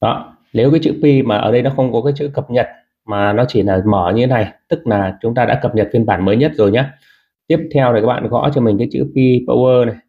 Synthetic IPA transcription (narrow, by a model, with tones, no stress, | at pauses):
ɗɔ̰˨˦ | ne˨˦wkaː˨˦jt͡ɕɨ̰˧˥pi˧maː˨˩ʔəː˧˩ɗə˧jnɔ˨˦xə˧wŋ͡mkɔ˨˦kaː˨˦jsɨ̰˧˥kə˨˩p̚ɲə˨˩t̚ | maː˨˩nɔ˨˦t͡ɕi˧˩laː˨˩məː˧˩ɲɨ˧e˨˦na˨˩jt̪ɨ˦˥k̚laː˨˩t͡ɕʊ˨˦ŋ͡mt̪aː˧ɗa̰ː˧˥kə˨˩p̚ɲə˨˩t̚fi˧ənɓaː˧˩nməː˨˦jɲə˦˥t̚zo˨˩jɲaː˨˦ | t̪i˦˥əp̚t̪ʰɛ˧wkaː˦˥ɓa̰ː˧˨ɣɔ̰˧˥t͡ɕɔ˧mi˨˩ŋ̟kaː˨˦t͡ɕɨ̰˧˥pi˧pə̰˧wʔəː˧na˨˩j